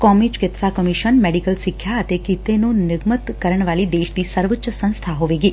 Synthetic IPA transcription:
kɔmid͡ʒkɪt̪sakəmiʃənmeɖikəlsikʰjaət̪ekit̪enonɪɡmət̪kəɾəɳ̃ʋalid̪eʃt̪isəɾʋətːʃəsə̃ñst̪ʰaɦoʋeɡi

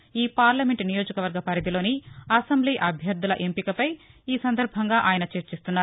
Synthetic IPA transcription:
iːpaːɾlɐme̞ɳʈnijo̞ːd͡ʒɐkɐʋɐɾɡɐpɐɾid̪ilo̞ːniɐsɐmbliːʔɐbʱjɐɾd̪ulɐʔempikɐpɐjiːsɐnd̪ɐɾbʱɐŋɡaːʔaːjɐnɐt͡ʃeɾt͡ʃist̪unːaː

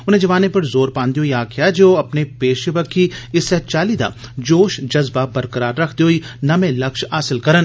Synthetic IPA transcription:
ʊn̤ɦẽd͡ʒɐʋaːnepɐɾzoːɾpãːnd̪eɦoːiaːkʰijad͡ʒoːɐpnepeːʃeʋəkːiɪsːɛt͡ʃaːlid̪a̰ːd͡ʒoːʃd͡ʒɐzbabɐɾkəɾaːɾːɐkʰd̪eɦoːinɐmẽlɐkʃaːsɪlkɐɾən

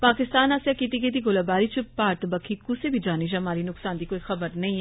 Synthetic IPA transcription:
paːkɪst̪aːnaːsjakit̪iɡeːt̪̬iɡoːlabaːɾit͡ʃʰpaːɾt̪bɐkʰikʊsebʱid͡ʒaːnid͡ʒɐɐmaːɾinʊksaːnd̪ikoːixɐbəɾnɐĩɛ

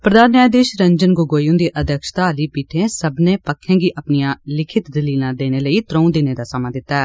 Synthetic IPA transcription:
pɾəd̪aːnːaːjd̪eːʃɾəɲd͡ʒənɡoɡoːjũːd̪eːʔəd̪ʱəkʃt̪aːliːpiːʈʰẽːsəbnẽːpəkʰːẽːɡiːʔəpnijãːlɪkʰɪt̪d̪ɪliːlãːd̪eːneːləiːt̪ɾõũːd̪ɪnẽːd̪aːsəmaːd̪ɪt̪ːaɛː

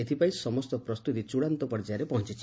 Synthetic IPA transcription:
et̪ʰipaĩsɔmɔst̪ɔpɾɔst̪ut̪it͡ʃuɽant̪ɔpɔɾd͡ʒaɾepɔɦɔ̃nt͡ʃit͡ʃʰi

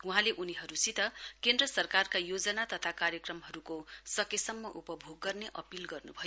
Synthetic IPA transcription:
uɦãleʔuniɦʌɾusit̪ʌkend̪rʌsʌrkarkajod͡zʌnat̪ʌt̪ʰakarjʌkrʌmɦʌɾukosʌkesʌmːʌʔupʌbʱoɡːʌrneʔʌpilɡʌrnubʱʌjo

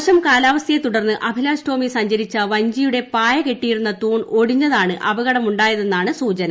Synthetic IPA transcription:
ɕɐmkaːlaːʋɐsjɐjet̪uɽɐrnːɨʔɐbʱilaːsʈo̞ːmisɐɲd͡ʑɐɾit͡ɕːɐʋɐɲd͡ʑijuɽe̞paːjɐke̞ʈːijiɾunːɐt̪uːɳo̞ɽiɲːɐðaːɳɨʔɐbɐɣɐɽɐmuɳɖaːjɐðe̞nːaːɳɨsuːt͡ɕɐnɐ

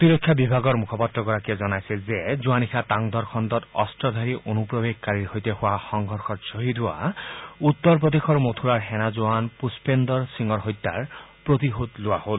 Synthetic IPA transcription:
t̪iɾɔkʰːjabibʱaɡɔɹmukʰɔpɔt̪ɾɔɡɔɹakiezɔnajsɛzed͡zuanixʰat̪aŋd̪ɔɾkʰɔnd̪ɔt̪ɔ̰stɔd̪ʱaɹiʔonupɹobeɡ̚kaɹiɹɦojt̪ehowaxɔŋɡʱɔɹxɔtsoɦid̪ʱua̰ut̪ːɔɹp̬ɹɔd̪exɔɹmot̪ʰuɾaɹɦɛnazuanpuspend̪ɔɹsiŋɔɹɦojt̪ːa̰ɹpɹot̪iɦod̪lʊahol

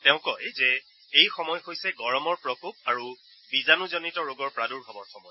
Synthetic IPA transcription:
tɛ̃ʊ̃kɔzɛ | ejxɔmɔjxojsɛɡɔɹɔmɔɹpɹɔkop̚aɹu | bizanuzɔnitɔɹoɡɔɹpɹaduɹbʱabɔɹxɔmɔj

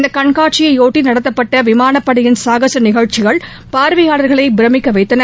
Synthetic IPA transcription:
nd̪ɐkːɐɳkaːʈ̚t͡ʃɪjɐɪoːʈːinɐɽɐt̪ːɐpːɐʈːɐʋɪmaːnɐpːɐɽɪjɪnsaːɣɐsɐnɪɣɐɻt͡ʃːɪɣɐɭ | paːɾʋɪjaːɭɐɾɣɐɭɐɪbɪɾɐmɪkːɐʋɐɪt̪ːɐnɐ

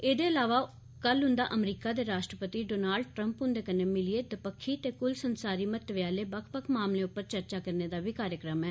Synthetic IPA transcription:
eːd̪eːəlaːʋaː | kəlɦʊ̃nd̪aːʔəmɾiːkaːd̪eːɾaːʃʈɾəpət̪iːɖoːnaːlɖ̚ʈɾəmpɦʊ̃nd̪eːkəneːmɪlieːd̪əpəkʰːiːt̪eːkʊlsənsaːɾiːmət̪əʋjaːleːbəkʰpəkʰmaːmleːʊpːəɾt͡ʃəɾt͡ʃaːkəɾneːd̪aːbʱiːkaːɾjəkɾəmɛː

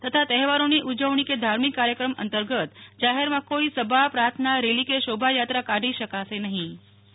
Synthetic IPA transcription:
t̪ət̪ʰat̪ɛɦɛʋaɾoniʔud͡ʒəʋɳiked̪ʱaɾmikːaɾjəkɾəmə̰nt̪əɾɡət̪d͡ʒaɦeɾmãkoisəbʱapɾaɾt̪ʰnaɾelikeʃobʱajat̪ɾakaɖiʃəkasenəɦĩ

